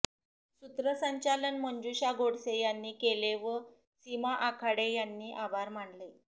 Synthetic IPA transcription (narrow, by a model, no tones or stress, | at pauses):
sut̪ɾəsəɲt͡ɕalənməɲd͡ʑuɕaɡoɽsejanːiːkeleʋə | simaʔakʰaɽejanːiːʔabʱaɾm̤aɳle